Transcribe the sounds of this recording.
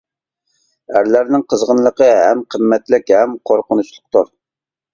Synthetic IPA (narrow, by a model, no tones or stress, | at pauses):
æɾlæɾnɪŋqʰəzʁənlˠəqəɦɛmqʰəmːɛt̪lɪkʲhɛmqʰoɾqənut͡ʃlˠʊqt̪uɾ